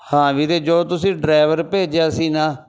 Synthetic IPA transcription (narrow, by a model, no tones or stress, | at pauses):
hãːʋiːɾeːd͡ʒoːt̪ʊsĩːɖɾaːɪʋəɾpeːd͡ʒaːsiːnaː